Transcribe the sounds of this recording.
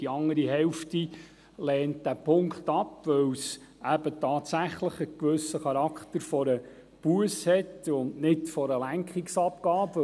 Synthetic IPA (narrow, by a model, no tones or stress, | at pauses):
d̥iɑŋːəɾiɦɛʊfti | lɛːnt̚d̥æpʰʊŋkχtɑpʋœws | ʔæb̥ətʰɑːtsæχləχəkʋɵsəχɑɾɑkχtəɾfɔɾə | b̥uəshɛtʊndnɪtfɔɾəlæŋkχiksɑpɡ̥ɑːp